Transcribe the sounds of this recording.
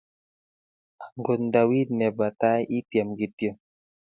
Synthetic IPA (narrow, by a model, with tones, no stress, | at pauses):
a˨ŋɡɔ˨nda˨wi˦d̪̚nɛ˨ba˨t̪a˦jʔi˦t̪i˨a˨mɡi˨t̪jo˨